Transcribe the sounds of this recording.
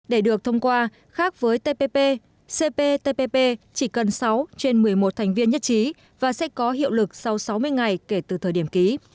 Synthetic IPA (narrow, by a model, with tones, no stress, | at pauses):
ɗe˧˩ɗɨ˨˩ək̚t̪ʰə˧wŋ͡mkwaː˧ | xaː˦˥k̚vəː˨˦jt̪e˧pe˧pe˧ | se˧pe˧t̪e˧pe˧pe˧t͡ɕi˧˩kə˨˩nsa˨˦wt͡ɕe˧nmɨ˨˩əjmo˨˩t̚t̪ʰjŋ̟vi˧ənɲə˦˥t̚t͡ɕi˨˦ | vaː˨˩sɛ̰˧˥kɔ˨˦ɦḭ˧˨əwlɨ˨˩k̚sa˧wsa˨˦wmɨ˧əjŋa˨˩jke˧˩t̪ɨ˨˩t̪ʰəː˨˩ɗi˧˩əmki˨˦